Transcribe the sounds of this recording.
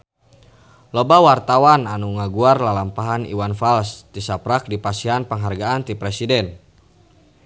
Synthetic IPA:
lobawart̪awananuŋaɡuarlalampaɦanḭwanfalst̪isapɾak̚dipasiɦanpəŋɦarɡaant̪ipɾɛsidɛn

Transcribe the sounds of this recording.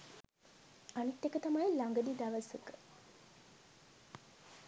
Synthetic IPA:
anit̪ːekət̪amajlaŋɡəd̪id̪aʋəsəkə̥

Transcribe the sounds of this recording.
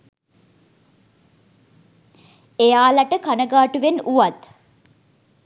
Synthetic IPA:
ejaːlaʈəkanəɡaːʈuʋenuʋat̪

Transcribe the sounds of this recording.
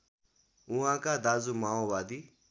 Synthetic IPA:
ʊɦãːkad̪aːzumaːoʋaːd̪i

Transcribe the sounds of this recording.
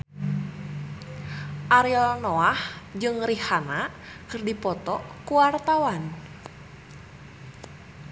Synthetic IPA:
ʔaɾiɔnoahd͡ʒɨŋrihana | kɨrdipɔt̪ɔkuwart̪awan

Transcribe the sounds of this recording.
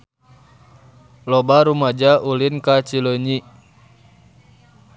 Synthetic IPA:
lɔbaɾumad͡ʒaʔulinkat͡ʃiloɲi

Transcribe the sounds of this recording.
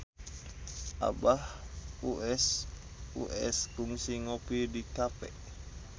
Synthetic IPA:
ʔa̰bahuʔɛs | ṵʔɛ̰skuŋsiŋopidikapɛ̰

